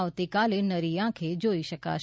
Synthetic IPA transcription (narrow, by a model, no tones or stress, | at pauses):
ʋt̪ikaːlenəɾijãːkʰeːd͡ʒoːiʃəka̰ːʃ